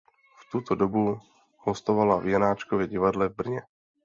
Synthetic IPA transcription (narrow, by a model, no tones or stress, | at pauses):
ft̪ut̪odobu | host̪ovalavjanaːt͡ʃkovjɛɟɪvadlɛvbr̩ɲɛ